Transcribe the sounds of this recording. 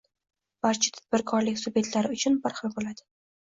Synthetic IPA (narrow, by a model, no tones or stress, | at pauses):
b̥aɾt͡ʃʰɪ̥t̪ʰḁd̪̥̚bɪɾkʰɒɾlɪkʲsʊbe̞t̪laɾɪʊt͡ʃʰʊnbaɾχɨlbolad̪ɪ